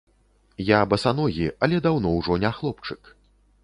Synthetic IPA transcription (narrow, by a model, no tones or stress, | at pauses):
jabɐsanɔɣʲiʔɐlʲɛd̪awn̪ɔwʐɔnʲaxlˠɔpt͡ʂɨk